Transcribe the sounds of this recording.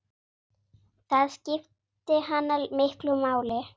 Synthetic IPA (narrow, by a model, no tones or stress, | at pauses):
θaðscɪftt̪ɪɦanːalmɪhklʏmaːwlɪ